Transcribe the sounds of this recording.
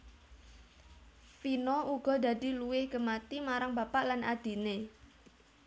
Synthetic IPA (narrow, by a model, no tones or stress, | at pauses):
pinoʔuɡ̥ɔ̤d̪a̤d̪i̤luwɪhɡ̥əmat̪imaɾaŋbapaʔlanad̪̥i̤ne